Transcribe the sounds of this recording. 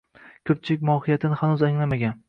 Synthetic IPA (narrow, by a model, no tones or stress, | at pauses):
kʲʰɵp̚t͡ʃʰɪlɪkʲmɒhɪjat̪ʰɪnɪhanuzaŋlamaɡʲan